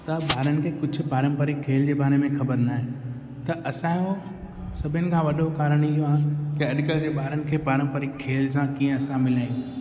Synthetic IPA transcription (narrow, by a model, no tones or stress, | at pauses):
t̪ɐɓaːɾənɪ̆kʰeːkʊd͡ʑʱʊ̆paːɾə̃mpəɾɪkkʰːeːld͡ʑeːbaːɾemẽxɐbəɾnaːɦẽ | t̪ɐʔɐsãjo | sɐbʱɪənɪ̆kʰãːʋɐɗokaːɾəɽ̃ɪɦoaːɦkɪɐɗkəld͡ʑeːbaːɾənɪ̆kʰeːpaːɾə̃mpəɾɪkʰːeːls̬ãkiːə̃ɐsãmɪlaːĩ